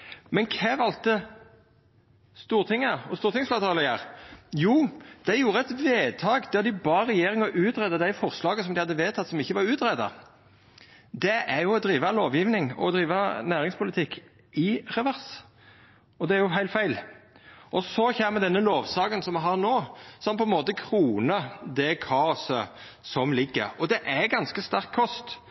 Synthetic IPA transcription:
mɛnkʰɛːʋɑlt̪ə | st̪uːɾt̪ʰɪŋːɑɔst̪uːɾt̪ɪŋsflɑːt̪ʰɑːləjæʁjuːd̪̥æɪjuːɾəɛt̪ʋeːt̪ʰɑːɡd̪̥æd̪ɪbɑːɾɛjeːɾɪŋɑʔʉːt̪ɾɛd̪ɑd̪æɪfɔʁslɑːɡəsɔmd̪ɪhɑd̪ːəʋeːt̪ʰɑt̪ːsɔmɪçːəʋɑɾʉːt̪ɾɛd̪ɑ̰ | d̪ɛʔæɾjʊɔd̪ɾiːʋɑloːʋjɪʋnɪŋɔ̰d̪ɾiːʋɑnæːɾɪŋspʰʊləɪt̪ʰɪkː | ɪɾɛʋæʁs | ɔd̪ɛæɾjʊɦæɪlt̪fæɪl | ʔɔsɔçeːməd̪ɛnːəloːʋsɑːkənsɔmɛɦɑʁnoːsɔmpʰɔɛnmoːt̪əkʰɾuːnəd̪ɛkʰɑːɔsə | sɔmlɪɡːə̰ɾɔd̪ɛʔæɡɑnskəst̪ɑʁkʰːɔst̪

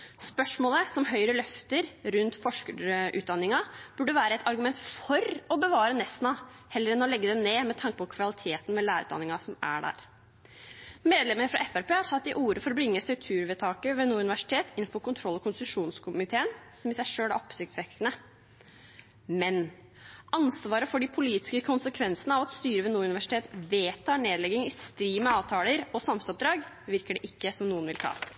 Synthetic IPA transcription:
spœʂmoːləsɔmɦœʏɾəlœft̪əɾɾʉnt̪fɔʂkəʔʉ̰ːd̪ɑnːɪŋɑb̥ʉɖːəʋæːɾəɛt̪ɑɾɡʉmɛnt̪fɔɾɔbəʋɑːɾənɛst̪nɑ | hɛlːəɾɛnɔlɛɡːəd̪ɛneːmɛt̪ʰɑŋkəpɔkʰʋɑlɪt̪ʰeːt̪n̩mɛlæːɾʉ̰ːd̪ɑ̰nːɪŋɑsɔmæ̰ɖæ̰ːɾ | meːd̪lɛmːənfɾɑ̰ʔɛfæɾpeːhɑɾtʰɑt̪ːɪʔuːɾəfɔɾɔbɾɪŋːəsœʉt̪ʰʉːɾʋɛt̪ʰɑːkəʋeːnuːɾʉnɪʋæʂɪ̥t̪ʰeːt̪ɪnn̩fɔɾkʊnt̪ʰɾɔlːɔkʰʊnst̪ʉʂuːnskʰʊmɪt̪ʰeːənsɔmɪsæɪʂøːlæɔpːsɪkt̪sʋɛkːənə | mɛn | ʔɑnsʋɑːɾəfɔɖɪpʰʊliːt̪ɪ̥skəkʰʊnsəkʰʋɛnsənəɑːʋɑt̪st̪yːɾəʋɛːnuːʉnɪʋæʂɪ̥t̪ʰeːt̪ʋeːt̪ʰɑːɳeːd̪lɛɡːɪŋɪst̪ɾiːmɛɑːʋt̪ʰɑːləɾɔsɑmsɔp̚d̪ɾɑːɡ | ʋɪɾkəɖɛʔɪkːəsɔmnuːənʋɪlt̪ʰɑ̰ː

